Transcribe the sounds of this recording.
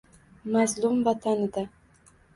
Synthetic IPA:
mazlˠumvat̪ʰanɪd̪a

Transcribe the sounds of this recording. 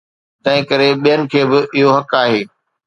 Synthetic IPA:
t̪ɐ̃ɦɪ̃kɐɾeɓijənɪ̆kʰeːbɪʔɪɦoɦɐkaːɦeː

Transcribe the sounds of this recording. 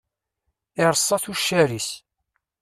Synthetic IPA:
ɪɾˤsˤːɑθuʃːæɾis

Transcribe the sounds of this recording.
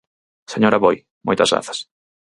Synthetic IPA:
seɲoɾɐβoj | mojt̪ɐ̰zɣɾa̰θɐ̥s

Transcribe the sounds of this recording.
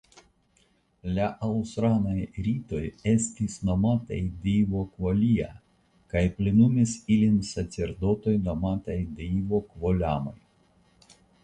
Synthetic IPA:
lʲaʔɐwsɾanɐjɾʲit̪ojɛsʲt̪ʲisnɔmat̪ɐ̰jd̪ʲejʋokʋɔlʲija̰ | kajpʲlʲɪnumʲisilʲinʲsɐsʲɛɾd̪ɔt̪ɔjnɔmaːt̪ɐjd̪ʲejʋɔkʋɔlʲamɔ̰j

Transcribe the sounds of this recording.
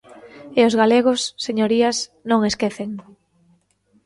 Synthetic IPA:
eozɣaleɣ̞ʊsːeɲoɾiɐsnõŋeskeθeŋ

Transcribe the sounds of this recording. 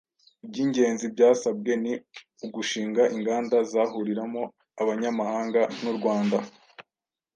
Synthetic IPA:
ib̚ɟiːɲɟe̞ːnzibɟaːsab̚ɡe̞ni | uɡuʃiːŋɡaʔiŋɡaːndazaːɦuɾiɾamo | aβaɲamahaːŋɡanuɾɡwaːnda

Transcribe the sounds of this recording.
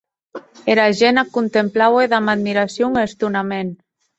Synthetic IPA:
eɾaʒenakunt̪emplaweðamaðmiɾasjoŋest̪unamen

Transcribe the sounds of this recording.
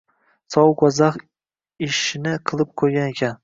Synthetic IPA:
sɒwqɒzaχ | ɪʃɪnɪqʰɨlˠɪp̚qʰojɡʲane̞kʲʰan

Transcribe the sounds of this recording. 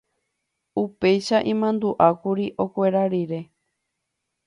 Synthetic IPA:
upe̞jʃaʔĩmãnd̪uʔakuɾiʔo̞kʷe̞ɾaɾiɾe̞

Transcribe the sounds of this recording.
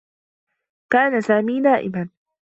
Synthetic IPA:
kaːnasaːmiːdaːʔɪ̰man

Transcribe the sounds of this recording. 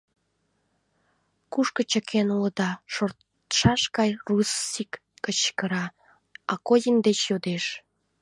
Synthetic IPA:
kuʃkə̆t͡ɕəkʰenuləd̪ɑʃor | ʃɑʃkɑjrusikː | ət͡ɕkəɾɑ | ɑkojənd̪et͡ɕjod̪eʃ

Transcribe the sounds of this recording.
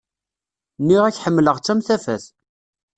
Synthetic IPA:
nːiʁæçħəmːləʁt͡sːæmθæfæ̰θ

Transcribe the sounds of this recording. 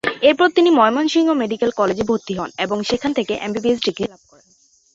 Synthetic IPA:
eɾpɔɾt̪inimɔemonʃiŋomeɖikelkɔled͡ʑebʱot̪ːiɦɔneboŋʃekʰːant̪ʰekeʔḛmbibies̬ɖikɾilab̚kɔɾen

